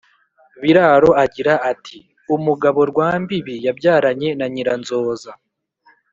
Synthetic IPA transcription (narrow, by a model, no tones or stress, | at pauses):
βiɾaɾo̞aɟiɾaʔːtʰi | umuɡaβo̞ɾɡwaːmbiβijabɟaːɾaɲe̞naɲiɾanzo̞ːza